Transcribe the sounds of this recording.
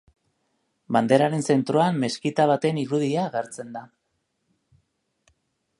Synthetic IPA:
band̪e̞ɾaɾe̞nse̞nt̪ɾo̞amːe̞skit̪aβ̞at̪e̞niɾuðiaɣeɾt͡se̞nd̪a

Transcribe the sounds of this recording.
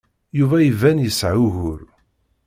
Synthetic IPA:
juvæjəvænjəsʕʊɣʊɾ

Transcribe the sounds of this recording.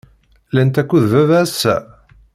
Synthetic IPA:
lænt̪ækʷːuðvævæsæ̰

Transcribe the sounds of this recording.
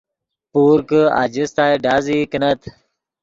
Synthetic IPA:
puːɾkəa̰d͡ʑist̪aːjɖaːzikənɐt̪

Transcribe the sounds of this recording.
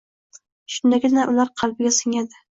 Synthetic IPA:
ʃʊnd̪akʲɪd̪ɪnaʔʊlaɾqʰɑlˠbɪɡʲasɪŋad̪ɪ

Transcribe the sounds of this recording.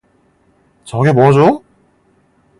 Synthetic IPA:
t͡ɕʌɡemoɦad͡ʑo

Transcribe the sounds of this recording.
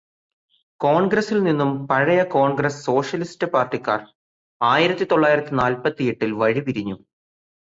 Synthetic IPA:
ko̞ːɳɡrɐsilninːumpɐɻɐjɐko̞ːɳɡɾɐsːo̞ːʂjɐlistɨpaːrʈːikːaːr | aːjiɾɐt̪ːit̪o̞ɭːaːjiɾɐt̪ːinaːlpɐt̪ːijeʈːilʋɐɻipiɾiɲːu

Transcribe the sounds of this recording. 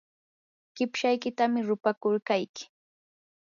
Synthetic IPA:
kɪpʃajkɪt̪amɪɾʊpakʊɾkajkɪ̥

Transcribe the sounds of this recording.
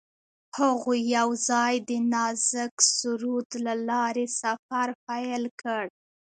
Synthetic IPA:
haɣojawzɑjd̪ənɑzəksʊɾud̪lalɑɾesafaɾpajlkəɽ

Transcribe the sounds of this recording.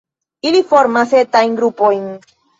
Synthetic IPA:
ilifo̞ɾmaset̪ajnɡɾupojn

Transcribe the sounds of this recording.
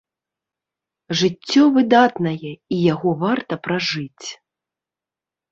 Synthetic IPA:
ʐɨt͡sʲːɔvɨd̪at̪nɐjɛijaɣɔvart̪ɐpɾaʐɨt͡sʲ

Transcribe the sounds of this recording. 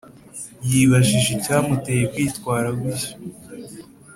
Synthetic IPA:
jiβaʒiʒecaːmute̞ːjekwiːtkwaːɾaɡiso̥

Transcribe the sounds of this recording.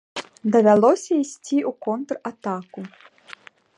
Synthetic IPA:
d̪ɐvʲalˠɔsʲɐisʲt͡sʲiukɔnt̪rat̪aku

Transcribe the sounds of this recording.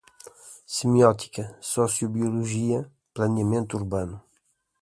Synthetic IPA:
simiɔt̪i̥kɐsɔsjubjuluʒiɐ | plɐnjɐmẽnt̪uɾbanu

